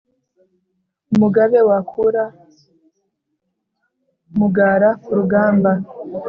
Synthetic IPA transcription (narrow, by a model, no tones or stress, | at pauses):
umuɡaβe̞wakʰuɾa | muɡaɾauɾuɡaːmba